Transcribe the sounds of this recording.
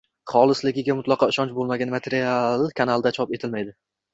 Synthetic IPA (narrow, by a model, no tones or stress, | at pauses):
χɒlˠɪslɪɡʲɪɡʲamʊt̪lˠɑqʰɒɪʃɒnt͡ʃbolˠmaɡʲanmat̪ʰeɾialˠkʰanalˠd̪at͡ʃʰɒpe̞t̪ʰɪlmajd̪ɪ